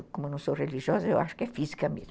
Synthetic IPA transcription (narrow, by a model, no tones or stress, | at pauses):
kõmʊnɐ̃w̃sowreliʒiɔzɐewʔa̰ʃʊ̥kɪɛfizikɐmḛzm